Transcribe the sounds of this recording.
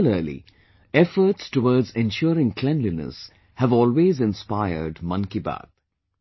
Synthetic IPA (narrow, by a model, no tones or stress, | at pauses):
ləːlḭ | ɛfəɾʈsʈowɔːɖzɛ̃nʃɔːɾɪ̃ŋkʰlɛ̃nlinə̰s | hæʋɔːlweːzɪ̃nspaɪə̰ɾɖmʌ̃nkibæ̰ːt̪̚